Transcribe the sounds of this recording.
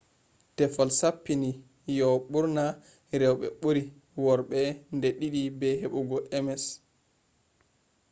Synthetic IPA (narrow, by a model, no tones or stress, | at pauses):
tɛfalsapːini | jɔɓuɾna | ɾɛwɓɛ̰ɓuɾi | wɔɾɓɛndɛɗiɗibɛɦeɓuɡɔʔɛmɛs